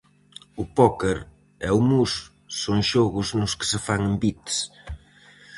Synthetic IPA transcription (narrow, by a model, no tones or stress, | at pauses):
ʊpɔkeɾ | ɛʊmusː | oŋʃɔɣʊznʊskɪ̥sɪfaŋɪmbit̪s